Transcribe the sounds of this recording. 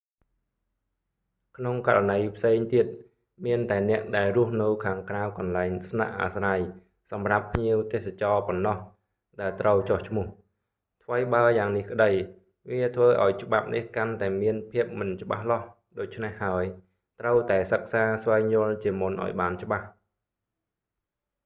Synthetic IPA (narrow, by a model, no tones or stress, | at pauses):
kʰnoŋkaɾanəjpʰseːŋt̪iət̪̚ | miənt̪aɛnɛ̆əʔɗaɛlrʊ̆əhnɨwkʰaːŋkrawkɑnlaɛŋsna̰ʔːa̰ːsraj | sɑmrapʰːɲiəwt̪eːsat͡ɕɑːpɔnːɑh | ɗaɛlt̪rəwt͡ɕoht͡ɕʰmʊ̆əh | t̪ʰʋəjɓaəjaːŋnihkə̆ɗəj | ʋiət̪ʰʋəːʔa̰ɔjt͡ɕə̆ɓap̚nʔihkant̪aɛmiənpʰiəp̚mɨnt͡ɕə̆ɓa̰hlɑh | ɗoːc̚t͡ɕʰnehːaəj | t̪rəwt̪aɛsək̚saːsʋaɛŋɲʊ̆əlt͡ɕiəmunʔa̰ɔjɓaːnt͡ɕə̆ɓah